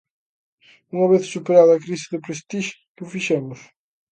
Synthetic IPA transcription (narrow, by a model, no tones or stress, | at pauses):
uŋɐβeðsupeɾaðɐkɾizɪðɪpɾeʃt̪iʃu̥kufiʃɐmʊʃ